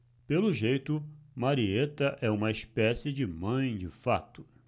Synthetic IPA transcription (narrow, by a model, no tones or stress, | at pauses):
pelʊʒejt̪ʊmaɾiet̪ɐʔɛũmɐispɛsɪd͡ʒɪmɐ̃j̃d͡ʒɪfat̪ʊ̥